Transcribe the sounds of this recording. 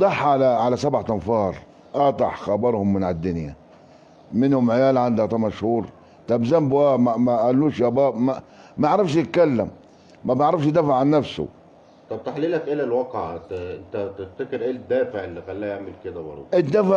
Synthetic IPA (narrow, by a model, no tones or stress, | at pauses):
d̪ˤɑħʕalaʕalasabʕat̪ɑnfɑːɾˤ | ʔɑt̪ˤɑħxɑbɑɾˤhʊmːɪnʕad̪ːʊnja | mɪnhʊmʕɪjaːlʕand̪ht̪ˤɑmaʃhuːɾ | t̪ˤɑbzambwæːmamæʔælːuːʃjæbɑːbmamaʕɾˤɑfʃ̬jɪt̪̚kalːamː | æbɪʕɾˤɑfʃ̬d̪æfaʕʕanːafsʊ̰ | t̪ˤɑb̚t̪aħliːlækʔelælwɑqʕt̪ʔɪnt̪æt̪ɪft̪ækɪɾʔeːld̪ːæːfɪʕɪlːixælːæːjaʕmɪlkɪd̪æbɑ̰ɾ̰ˤʔɪd̪ːafa